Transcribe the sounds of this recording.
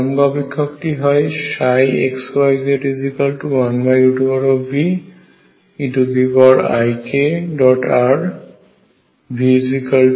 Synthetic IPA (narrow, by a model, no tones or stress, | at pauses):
mɡɔbikʰːɔkʈiɦɔjʃajeksajzeʈizikalʈuwanbajjuʈubɔɹɔbi | iʈubibɔɹa̰jkʰeɖɔʈaɹ | bʱizikal